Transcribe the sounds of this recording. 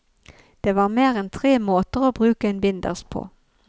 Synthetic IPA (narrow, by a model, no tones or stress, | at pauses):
d̪̥eːʋɑːʁmeːʁɛnt̪ʰʁeːmoːt̪əʁoːbʁʉːkəɛːnbɪnd̪ə̰ʁspʰo̰ː